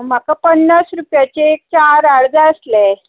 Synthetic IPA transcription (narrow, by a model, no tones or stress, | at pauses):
m̤akapənːasɾupjat͡ɕeːk̚t͡ɕaɾaɽd͡zaəslɛ